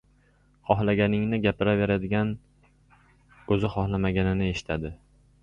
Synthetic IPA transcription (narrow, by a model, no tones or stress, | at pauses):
χɒhlaɡʲanɪŋnɪɡʲapʰɪɾaveɾad̪ɪɡʲan | ɵzɪχɒhlˠamaɡʲanɪnɪeʃɪ̥t̪ʰad̪ɪ